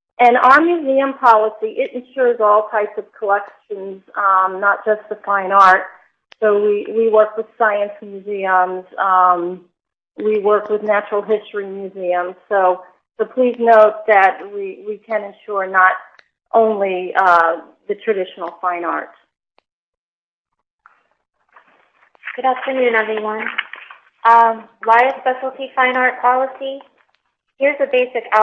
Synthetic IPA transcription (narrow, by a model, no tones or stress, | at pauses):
ʔɨ̃nəə˞mjʉziɨ̃mpʰɑlˠəsiʔɪɾɨ̃n̩ʃʊɹzɔlˠtʰaɪpsʌv̥kʰəlɛkʃɨ̃nznət̚d̥ʒ̥ʌst̪̚ðəfãɪ̃nɑɹt̚ | soʊwiwiwɜ˞kwɨð̥saɪɨ̃nsmjʉziə̃mz̥ | wiwɜ˞kwəðnæt͡ʃɹl̩ˠɦɪstɹ̥imjʉziɨ̃mz̥soʊ | bəʊpʰl̥iznoʊt̪̚ðɨt̚wiwikʰɨ̃nɨ̃nʃʊɹnəɾ | ʔõʊ̃nli | ðɨtʰɹ̥ɨdɪʃn̩l̩ˠfãɪ̃nɑ̰ɹt̚ | ɡ̥ʊɾæptʰɨ̃njʉɨnʌviwʌ̃n | ʔʌwaɪɨspɛʃl̩ˠtʰifãɪ̃nɑɹt̚pʰɑlˠəsi | hɪɹzɨbeɪsɨka